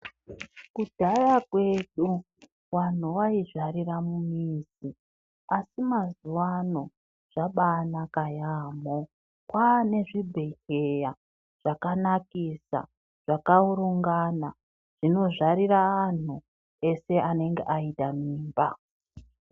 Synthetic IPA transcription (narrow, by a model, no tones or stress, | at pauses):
kud̥ʱajakwe̞ɗu | wan̤uwaiʐariramumiːzi | asimazuwano̞ | ʐ̥aɓanakajaːmo | kwaːne̞ʐibʱe̞keja | ʐ̥akanakisa̰ | ʐ̥akauɾuŋɡana | ʐ̥ino̞ʐaɾiraːn̤u | e̞se̞ʔane̞ŋɡe̞̰ʔaitʼamiːmba